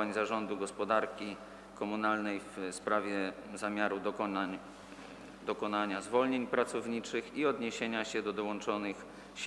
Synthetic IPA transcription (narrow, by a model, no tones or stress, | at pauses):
aɲzaʐɔnd̪uɡɔspɔd̪aɾkʲi | kɔmunalnɛjfspɾavʲjɛ | zamʲjaɾua | d̪ɔkɔnaɲazvɔlɲeɲpɾat̪sɔvɲit͡ʂɘxiɔd̪ɲeɕeɲaɕɛd̪ɔd̪ɔwɔnt͡ʂɔnɘx | ɕ